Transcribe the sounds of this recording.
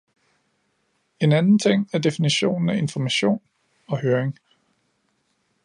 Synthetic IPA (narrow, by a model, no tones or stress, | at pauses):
e̝nænn̩t͡sʰe̝ŋ̰æɐd̥e̝finiɕo̝̰ːnn̩æe̝nfɒmæɕo̝̰ːn | ɒ̽høːɐeŋ